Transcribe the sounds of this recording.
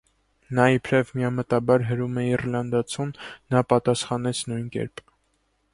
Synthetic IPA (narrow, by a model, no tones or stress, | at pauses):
nɑipʰɾɛvmiɑmət̪ɑbɑɾɦəɾumɛirlɑnd̪ɑt͡sʰunːɑpɑt̪ɑsχɑnɛt͡sʰnujnkɛ̰ɾp